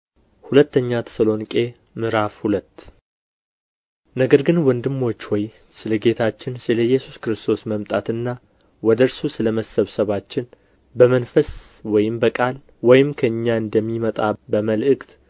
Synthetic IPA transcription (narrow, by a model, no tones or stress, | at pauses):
hulət̪ːəɲːat̪ʰə̥səlo̞nkʼe̞ | mɨɾafhulət̪ː | nəɡəɾɡɨnwɔnd̪ɨmːo̞t͡ʃːwɔj | sɨləɡe̞t̪ʰat͡ʃːɪnsɨləjɛsuskɾɨst̪ʰo̞sməmt̪ʼat̪ɨnːa | wɔd̪əɾsusɨləməsəβsəβat͡ʃːɪn | bəmənfəs | wɔjɪmbəkʼal | wɔjɪmkʰəɨɲːaɨnd̪əmːimət̪ʼabəməlʔɨkʼt̪